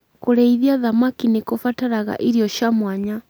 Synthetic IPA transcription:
kuɾɛiðiaðamakinekofataɾaɣa̰ʔiɾiɔʃamwaɲa

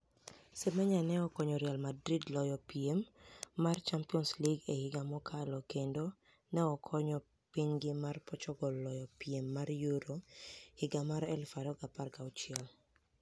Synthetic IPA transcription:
semɛɲanɛɔkɔɲɔɾjalmadɾidlɔjɔpiemːart͡ʃampiɔnsliɡehɪɡamɔkʰalɔkendo | nɛɔkʰɔɲɔ | piɲɡɪmarpɔt͡ʃɔɡɔlɔjɔpiemːarjuɾohɪɡamaɾɛlfadɔkaparkaɔt͡ʃɪɛl

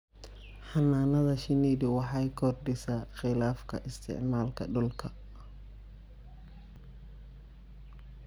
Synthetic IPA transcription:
ħɑnaːnɐðɐʃɪniːdɪwɑħɑjkʰɔrɖɪsaːxɪlaːfkʰɐ̰ʔɪst̪ʰɪ̰ʕmaːlkʰɐ̰ɖɔlkʰɐ

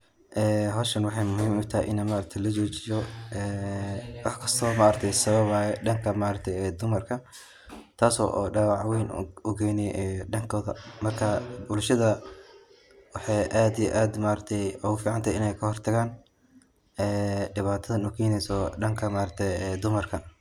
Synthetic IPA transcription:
ʔɛːɦɔːʃɐnwɑħɑjmʊhiːmʊt̪ʰɐɛ̰ʔɪnɐmaːɾɐk̚t̪ʰɛjlɐt͡ʃɔːt͡ʃɪjɔʔɛːwɑħkʰɐst̪ʰɔːmaːɾɐt̪ʰɛjsɐβɐβaːjɛɖɐŋkʰɐmaːɾɐk̚t̪ʰɛjɛːd̪ʊmɐrkʰɐ | t̪ʰaːsɔ̰ːʔɔ̰ːɖɑːwɑʕwɛjnʊɡʰɛjnɛjʔɛɖɐŋkʰɔːðɐ̰mɐrkʰɐbʊlʃɐðɐ | wɑħɑjʔaːd̪ijɛʔaːd̪maːɾɐk̚t̪ʰɛjɔɣʊfiːʕɑnt̪ʰɐɪnɛjkʰɐhɔrt̪ʰɐɣaːn | ɛːɖɪβaːt̪ʰɐðɐnukʰɛːnɛjsɔɖɐŋkʰɐmaːɾɐk̚t̪ʰɛjɛːd̪ʊmɐrkʰɐ

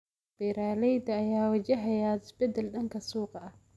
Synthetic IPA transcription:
b̥ɛɾaːlɛjd̪ɐːjaːwɐt͡ʃɐɦɛjaːt̪ɪsbɛd̪ɛlɗɐŋkʰɐsuːqɑɐh

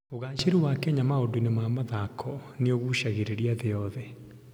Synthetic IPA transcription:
oɣaːʃeɾiwakɛɲamaodunemamaðakʰɔneoɣuʃaɣeɾeɾiaðeɔðɛ

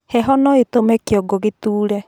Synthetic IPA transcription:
hɛɦɔnɔetomɛkeɔɡoɣetuːɾɛ

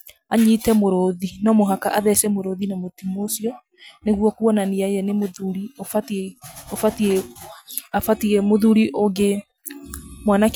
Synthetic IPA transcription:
aɲiːtɛmoɾoðinɔmoɦakaʔaðɛsɛmoɾoðinamotimosiɔ | neɣwɔkuɔnaniajɛnemoðuɾiofatofatie | afatiɛmoðuɾiʔoɡe | mwanak

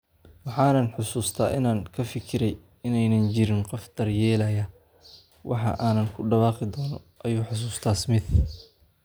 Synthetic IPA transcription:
wɑħɑːnɐnħʊsuːst̪ʰaːʔɪnaːŋkʰɐfɪkʰɪɾɛj | ɪnɛjnɐnt͡ʃɪɾɪnqɔfd̪̥ɐrjɛːlɐjɐ | wʔɑ̰ħɑ̰ʔaːnɐnkʰʊɖɐβɑːqɪd̪ɔːnɔ | ʔɐjuːħʊs̬uːst̪ʰaːsmɪð

